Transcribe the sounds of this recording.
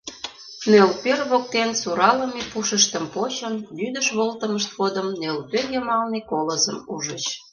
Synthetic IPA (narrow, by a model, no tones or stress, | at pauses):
nelpørβok̚t̪ensuɾɑləmepuʃəʃt̪əmpot͡ɕənlyd̪əʃβolt̪əməʃt̪ɣod̪əmnelpørjəmɑlnikoləzəmuʒət͡ɕ